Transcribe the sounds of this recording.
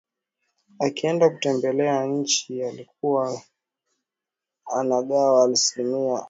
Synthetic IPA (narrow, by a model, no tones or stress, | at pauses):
akiɛndakutɛmbɛlɛaɲ̩t͡ʃialik̚uwa | anaɠawaːlsilimia